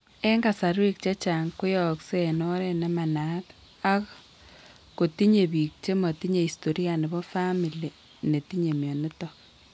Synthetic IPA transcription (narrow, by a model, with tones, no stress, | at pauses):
e˦ŋɡa˨saɾi˦k̚t͡ʃe˦t͡ʃaŋkʊ˦jɔkseno˦ɾene˨ma˨nat | a˦k | ko˨ti˦ɲe˨βi˨k̚t͡ʃe˦ma˨ti˦ɲe˨isto˨ɾja˨ne˨bɔ˦fami˨li˨ | ne˨ti˦ɲe˨mjɔ˨nɪ˦tɔ